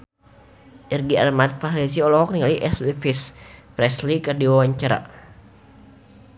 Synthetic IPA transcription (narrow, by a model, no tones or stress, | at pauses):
ʔirɡia̰rmat̪̚fahlis̬iɔlɔɦɔk̚niŋaliʔɛslifispɾɛslikərdiwawaɲt͡ʃaɾa̰